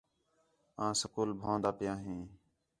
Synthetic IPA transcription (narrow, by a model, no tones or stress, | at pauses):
ãːsəkuːlbʱãːnd̪aːpɪjãːɦĩː